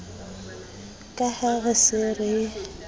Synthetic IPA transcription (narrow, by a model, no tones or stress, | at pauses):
kʼahaɣɪsɪrɪ